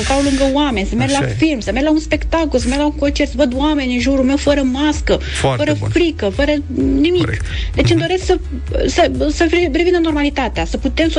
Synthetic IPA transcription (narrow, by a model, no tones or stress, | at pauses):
ət̪awluŋɡəwame̞nʲsəmerlafilmsəmerlaunspe̞kt̪akolsəme̞rlauŋkont͡ʃert̪səvəd̪uame̞nʲɨnʒuɾulme̞wfəɾəmaskə | ffəɾəfɾikəfəɾənimikd̪e̞t͡ʃɨnd̪o̞ɾesksə | səsəɾirevinəno̞rmalit̪at̪easəput̪e̞mso